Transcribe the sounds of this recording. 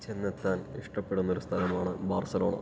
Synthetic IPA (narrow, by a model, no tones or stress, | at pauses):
t͡ɕenːet̪ːaːniʂʈɐpːe̞ɽunːoɾust̪ʰɐlɐmaːɳɨbaːrsɐlo̞ːɳɐ̰